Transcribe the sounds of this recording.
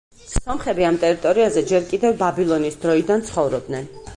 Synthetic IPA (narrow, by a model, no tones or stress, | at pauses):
sɔmχɛbiamt̪ʼɛɾit̪ʼɔɾiazɛd͡ʒɛɾkʼid̪ɛvbabilˠɔnisd̪ɾɔid̪ant̪sʰχɔvɾɔb̚d̪nɛn